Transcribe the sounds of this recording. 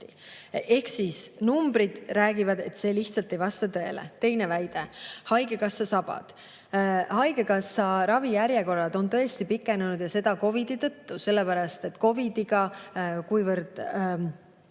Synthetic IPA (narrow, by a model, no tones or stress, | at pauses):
i | e̞hksisnumbɾid̪̥ræːɡivɑd̪̥e̞t̪se̞ːliht̪sɑlt̪ːe̞jvɑst̪ɑt̪ɤ̞e̞̰lḛt̪e̞jne̞væjd̪̥e̞hɑjɡe̞kɑsːɑsɑb̥ɑ̰d̪̥ | hɑjɡe̞kɑsːɑɾɑvijæɾjeko̞rːɑd̪̥o̞nt̪ɤ̞est̪ipikːˑe̞nunud̪̥jɑse̞d̪̥ɑko̞vid̪̥it̪ɤt̪ːuse̞lːepæɾɑst̪e̞t̪ko̞vid̪̥iɡ̥ɑkujvɤɾd̪̥